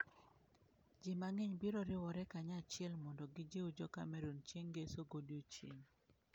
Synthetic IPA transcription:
d͡ʒɪmaŋeɲbiɾɔɾɪwɔɾɛkaɲat͡ʃɪɛlmɔndɔɡɪd͡ʒeud͡ʒɔka̰mɛɾont͡ʃeŋɡesoɡodjot͡ʃḛɲ

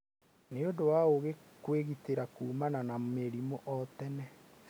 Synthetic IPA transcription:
neodowaoɣekweɣiteɾakuːmananameɾimoʔɔtɛnɛ

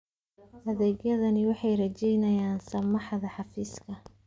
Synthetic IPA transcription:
ʔɐðɛːɡjɐðɐnɪwɑħɑjrɐt͡ʃɛjnɐjaːnsɐmɑħðɐħɑfiːskʰɐ

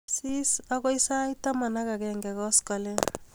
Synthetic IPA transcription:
sisakɔisajtamanakakɛŋɡɛkɔskɔle

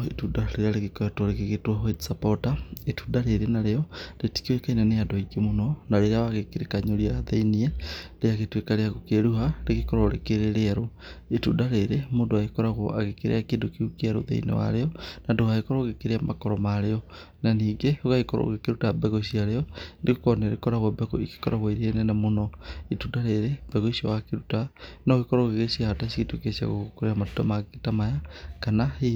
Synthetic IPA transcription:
etudaleɾealeɣeketwoleɣeɣetwaɦoisapotaetudaɾeɾenaɾeɔleti̥kiwekainaneadoiɡemononaɾeɾeawaɣekeɾekaɲoɾiaaðeinieleaɣetwekaɾeaɣokeɾuɦaleɣekoɾoɾḛkeɾeɾeaɾoetudaɾeɾemondoaɣekɔɾaɣoaɣekeɾḛakendokiukaɾo̰ðḛḭnḛwa̰ɾeɔnaduhaekɔɾɔɣekeɾeamakɔɾɔmaɾeɔ | naniːɡeoɣaekɔɾɔ̰ɣekeɾutabɛɣosiaɾeɔndekekɔneɾekɔɾaɣabɛɣoike̥kɔɾaɣoiɾenɛnamonɔetudaɾeɾeb̥ɛɣoisio̰wakeɾutanakekɔɾɔɣeɣesiahatasiketukesia̰ɣo̰okoɾeamatutɔmaɣeketamajakanai

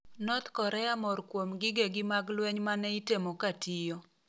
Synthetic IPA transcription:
nɔt̪kɔɾɛamɔrkwomɡɪɡeɡɪmaɡlwɛɲmanɛitemokatijɔ

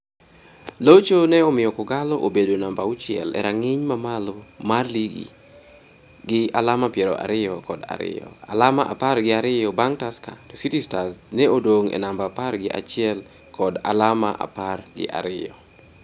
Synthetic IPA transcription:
lot͡ʃonɛɔmɪjɔkʊɡalɔʔobedonambaʊt͡ʃɪɛ̰lɛ̰ɾaŋɪɲmamalomarliɡḭ | ɡɪalamapjɛɾɔ̰ʔa̰ɾɪjɔkɔda̰ɾɪ̰jɔ̰alamaʔa̰parɡɪaɾɪjɔbaŋtaska̰to̥sitistasnɛodoŋɛ̰nambaparɡɪʔa̰t͡ʃɪɛl | kʰɔda̰lama̰ʔa̰parɡɪ̰ʔa̰ɾɪjɔ̰

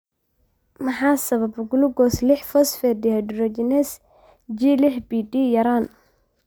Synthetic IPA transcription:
mɐħaːsɐβɐbɡʊlʊɡɔslɪħfɔsfɛrdɪhɐɖrɔd͡ʒɪnɛs | d͡ʒiːlɪħbiːɖijɐɾaːn

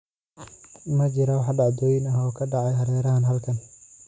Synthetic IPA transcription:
mɐt͡ʃɪɾɐwɑħɖɑʕd̪ɔːjɪnɐɦɔːkʰɐɖɑʕɑjhɐɾɛːɾɐɦɐnɦɐlkʰɐn

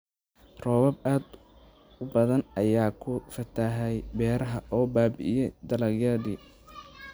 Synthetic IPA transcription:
rɔːβɐbaːd̪ | ʊbɐðɐnʔɐjaːkʰʊfɐt̪ʰaɦɛjbɛːɾɐɦɐʔɔːbaːbɪ̰ʔɪjɛd̪ɐlɐɣjɐːðḭː

